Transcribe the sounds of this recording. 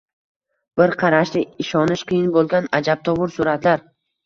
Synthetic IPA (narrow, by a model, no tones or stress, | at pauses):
b̥ɪɾqʰɑɾaʃlɪɪʃɒnɪʃqʰɨjɪnbolˠɡʲanad͡ʒab̚t̪ʰɒvʊɾsʊɾat̪laɾ